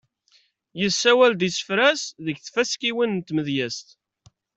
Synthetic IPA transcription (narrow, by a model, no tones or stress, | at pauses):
jəsːæwæld̪isə̥fɾæsðəçθfæskiwint̪ːməðjæst̪